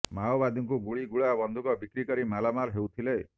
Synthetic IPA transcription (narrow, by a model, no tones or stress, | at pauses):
maɔbad̪ɔŋkuɡuɭiɡuɭabɔnd̪ʱukɔbikɾikɔɾimalamaɾɦewt̪ʰile